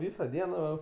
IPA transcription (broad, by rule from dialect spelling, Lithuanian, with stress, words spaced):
ˈʋʲiːsɐ ˈdʲiɛnɐ ʋɐ